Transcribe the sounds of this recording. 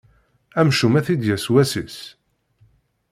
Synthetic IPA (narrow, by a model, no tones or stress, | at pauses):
æmʃumæθid̪jæswæsis